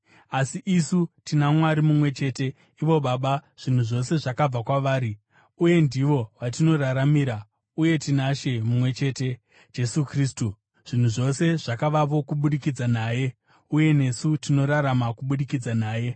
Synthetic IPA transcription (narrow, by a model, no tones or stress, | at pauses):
asiʔisutinamwaɾimumwe̞t͡ʃe̞ːte̞ | iʋo̞ɓaɓaʐ̥in̤uʐo̞se̞ʐakab͡vakwaʋaːɾi | uje̞ndiʋo̞ʋatino̞ɾaɾamiːɾa | uje̞tinaʃe̞mumwe̞t͡ʃe̞ːte̞ | d͡ʒe̞sukriːstu | ʐ̥in̤uʐo̞se̞ʐ̥akaʋapo̞kuɓuɗikid͡zanaːje̞ | uje̞ne̞sutino̞ɾaɾamakuɓuɗikid͡zanaːje̞